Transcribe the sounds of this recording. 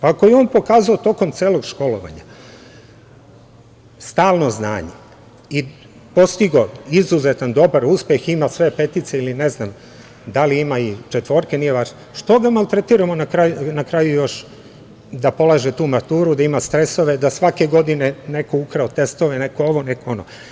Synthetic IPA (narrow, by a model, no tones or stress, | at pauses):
akojeo̞ːnpo̞kaːzaot̪o̞ko̞mt̪seːlo̞ɡʃko̞loʋa̰ɲa̰ | st̪aːlˠno̞zna̰ːɲḛ | i | po̞st̪iɡo̞izuzet̪and̪o̞baɾuspjeximasʋe̞pe̞t̪it̪seiline̞znam | d̪aliimait͡ʃet̪ʋo̞ːɾkenijebaʃ | ʃt̪o̞ɡamalt̪ɾet̪iːɾamonakɾajnakɾajujo̞ʃ | d̪apo̞lˠaʒet̪uːmat̪uːɾud̪aimast̪ɾe̞soʋe̞d̪asʋake̞ɡo̞d̪inene̞koukɾaot̪e̞st̪oʋene̞kooʋo̞nekoono̰